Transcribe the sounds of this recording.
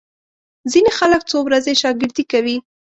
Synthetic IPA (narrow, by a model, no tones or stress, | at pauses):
zinexalək̚t͡sowɾazeʃɑɡɪɾd̪ikawi